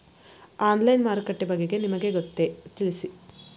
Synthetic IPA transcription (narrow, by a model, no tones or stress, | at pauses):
aːnlɐjnmaːɾkɐʈːebɐɡeɡe̞nimɐɡeɡot̪ːet̪ilisi